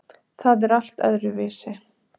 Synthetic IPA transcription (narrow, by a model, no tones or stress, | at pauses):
θaðɛɾal̥t̪œ̰ðɾʏvɪːsɪ